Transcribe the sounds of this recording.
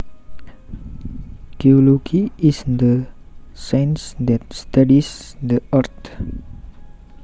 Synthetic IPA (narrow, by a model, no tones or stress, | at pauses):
t̪eoloɡiisd̪ə | sãjnsd̪ɛt̪̚st̪adisd̪əʔart̪